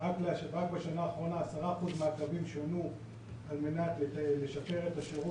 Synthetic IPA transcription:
ʁakleʁakbeʃanaːχʁo̞naːsaʁaχudmeakavimʃonu | alme̞nat̪leleʃape̞ʁet̪aʃeʁu

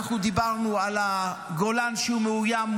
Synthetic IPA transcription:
χud̪ibaʁnualaɡolanʃeumeujam

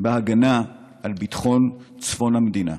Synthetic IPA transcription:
beaɡana | ʔalbitχo̞nt͡sfo̞named̪ina̰

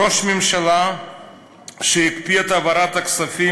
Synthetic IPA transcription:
o̞ʃmemʃala | ʃejikpiet̪avaɾat̪aksafi

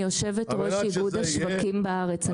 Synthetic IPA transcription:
jo̞ʃe̞vetʁoʃibud̪haʃvakimbeaʁet͡sa

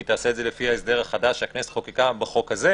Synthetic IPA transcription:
it̪aːseːdzelefihaesd̪eʁaχadaʃakneset̪χokikabeχo̞khaze

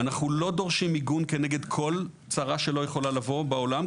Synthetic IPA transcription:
anaχnulo̞do̞ʁʃimiɡunke̞neɡe̞dkʰo̞l | t͡saʁaʃe̞lo̞jeχo̞lalavo̞beo̞lam

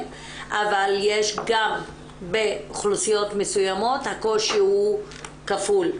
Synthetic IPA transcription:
ʔavaljeʃɡam | beχlusijo̞tmesujamo̞thako̞ʃihu | kaful

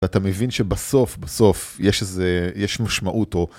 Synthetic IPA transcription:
atamevinʃebaso̞fbaso̞fjeʃezejeʃmaʃmaʔuto̞

